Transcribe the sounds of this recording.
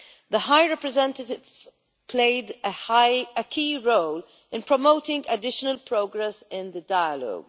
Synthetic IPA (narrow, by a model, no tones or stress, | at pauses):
ðəɦaɪɹɛpɹɛzɛ̃ntətɪv | pʰleɪd | əkʰiːɹoʊl | ɪ̃npɹɔmoʊtɪ̃ŋɡədɪʃənəlpʰɹoʊɡɹɛsɪ̃nðədaɪəlɔ̰ɡ